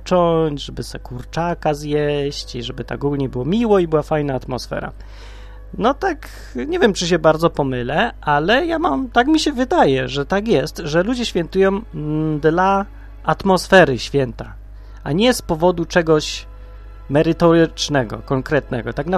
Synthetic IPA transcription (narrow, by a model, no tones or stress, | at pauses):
t͡ʂɔɲd͡ʑʐɛbɘsɛkuɾt͡ʂakazjɛɕt͡ɕiʐɛbɘt̪a̰ɡuɡlɲɛbɘwɔmʲiwɔibɘwafajnaːt̪mɔsfɛ̰ɾa̰ | nɔt̪ak | ɲɛvʲjɛmt͡ʂɘɕ̬ɛbaɾd̪zɔpɔmɘlɛʔalɛjamamt̪akmʲiɕɛvɘd̪ajɛʐɛt̪akʲjɛst̪ʐɛlud͡ʑɛɕfʲjɛnt̪ujɔ̃w̃d̪la | at̪mɔsfɛɾɘɕfʲjɛnt̪a | aɲɛspɔvɔd̪ut͡ʂɛɡɔɕ | mɛɾɘt̪ɔɾt͡ʂnɛɡɔ̰kɔŋkɾɛt̪nɛɡɔt̪aɡna